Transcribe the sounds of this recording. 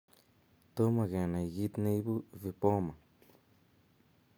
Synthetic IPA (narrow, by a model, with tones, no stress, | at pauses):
t̪o˦mã˧ɣa˨nã˨i˨ɣi˦t̪nĩ˧˦bu˦vi˧po˦mã˨